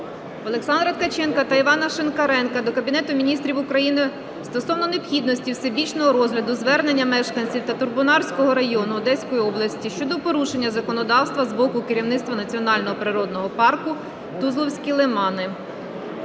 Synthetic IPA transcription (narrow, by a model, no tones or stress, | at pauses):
ɔlˠeksɑnd̪ɾɐt̪kɐt͡ʃɛnkɐt̪ɐiʋɑnɐʃenkɐɾɛnkɐd̪ɔkɐbʲinɛt̪ʊmʲinʲist̪ɾʲiwʊkɾɐjinɪ | st̪ɔsɔwnɔnepxʲid̪̚nɔsʲtʲiwsebʲit͡ʃnɔɦɔɾɔzɦlʲɐd̪ʊzʋɛrnenʲːɐmɛʃkɐnʲt͡sʲiwt̪ɐt̪ʊrbʊnɑrsʲkɔɦɔɾɐjɔnʊːd̪ɛsʲkɔjiɔblˠɐsʲtʲiʃt͡ʃɔd̪ɔpɔɾuʃe̞nʲːɐzɐkɔnɔd̪ɑwst̪ʋɐzbɔkʊkɪɾʲiwnɪt̪st̪ʋɐnɐt͡sʲiɔnɑlʲnɔɦɔpɾɪɾɔd̪̚nɔɦɔpɑrkʊ | t̪uzlˠɔwsʲkʲilˠemɑnɪ